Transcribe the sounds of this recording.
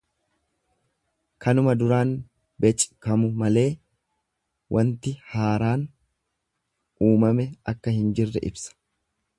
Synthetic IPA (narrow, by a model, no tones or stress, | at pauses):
kɐnʊmɐd̪ʊɾaːn | bɛt͡ʃʼkɐmʊmɐle̞ː | wʔɐnt̪ɪhaːɾaːn | ʔuːmɐmɛɐkːɐhɪnd͡ʒɪrːɛʔɪ̰bsɐ̥